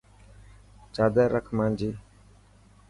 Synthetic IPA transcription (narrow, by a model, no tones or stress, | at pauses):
t͡ʃaːd̪əːɾəkʰmãːnd͡ʒiː